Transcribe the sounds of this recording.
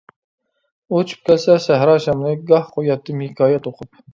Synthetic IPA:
ot͡ʃʰy̥p̚kʲʰɛlsɛsæɦɾɑːʃɛmnɨɡɑhqʰojɑt̪ːɨmɪkʰɑːjɛt̪oqʰʊp̚

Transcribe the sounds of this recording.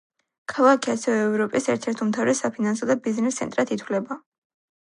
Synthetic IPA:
kʰalˠakʰiasɛvɛːvɾɔpʼisɛɾt̪ʰɛɾt̪ʰumt̪ʰavɾɛsapʰinansɔd̪abiznɛst̪sʰɛ̰nt̪ʼɾat̪ʰit̪ʰwlɛba

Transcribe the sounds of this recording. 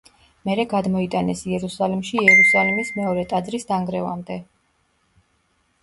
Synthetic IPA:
mɛɾɛɡad̪mɔit̪ʼanɛsiɛɾusalimʃiɛɾusalimismɛɔɾɛt̪ʼad̪zɾisd̪aŋɡɾɛva̰md̪ɛ

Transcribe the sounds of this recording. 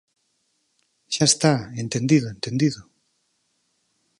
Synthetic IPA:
ʃaest̪aent̪end̪iðoẽnt̪end̪iðo

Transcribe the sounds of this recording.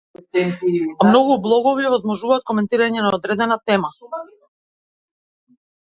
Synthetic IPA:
ɛntamnɔɡublˠɔɡɔviɔvɔzmɔʒuvaːt̪̚kɔmɛnt̪iɾaɲɛnaɔd̪ɾɛd̪ɛnat̪ɛma

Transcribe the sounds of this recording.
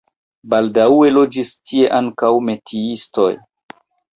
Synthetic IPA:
baldauelo̞d͡ʒistʰie̞ʔaŋkawme̞tʰiisto̞̰j

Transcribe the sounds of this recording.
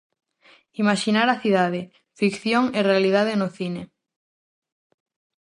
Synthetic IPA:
imaʃinaɾaθiðaðe | fikθjoŋerealiðað̞enoθine

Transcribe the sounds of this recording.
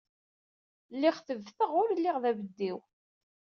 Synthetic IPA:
lːɪχθəvθəʁʊɾəlːɪʁðævəd̪ːiw

